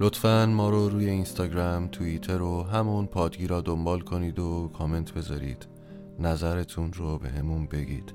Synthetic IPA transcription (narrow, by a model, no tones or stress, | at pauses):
lot̪fænmɒːɾoɾuːje̞inst̪ɒːɟɾæmt̪ʰuit̪ʰe̞ɾoɦæmuːnpʰɒːd̪ɡiːɾɒːd̪ombɒːlkʰoniːd̪okʰɒːme̞nt̪ʰbe̞zɒ̰ːɾḭːd̪̥ | næzæɾe̞t̪ʰunrobe̞̰ɦe̞munbe̞ɡḭːd̪̥